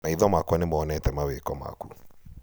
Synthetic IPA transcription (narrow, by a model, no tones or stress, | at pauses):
naiðɔmakwɔnemɔɔnɛtɛmawekɔma̰ku